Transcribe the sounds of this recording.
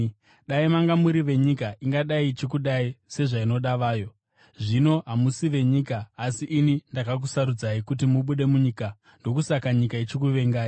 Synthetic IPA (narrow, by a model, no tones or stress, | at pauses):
ɗaimaŋɡamuɾiʋe̞ɲikaʔiŋɡaɗait͡ʃikuɗaise̞ʐaino̞ɗaʋaːjo̞ | ʐino̞ɦamusiʋe̞ɲiːkaːsiʔːnindakak̬usaɾud͡zaikut̬imuɓuɗe̞muɲiːka | ndo̞kusakaɲikait͡ʃik̬uʋe̞ŋɡaːi